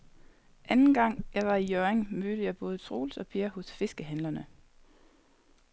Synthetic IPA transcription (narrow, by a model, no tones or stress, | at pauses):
ʔænn̩ɡ̥ɑ̈ŋ̰jɑ̈ɪʋɑ̈ijøːeŋmøɾ̥əjɑ̈ɪb̥ɔ̽ːð̞̩ˠsʰʁo̝ːlsɒ̽pʰiɐhɔ̽sfe̝sɡ̥əɦænlɐnə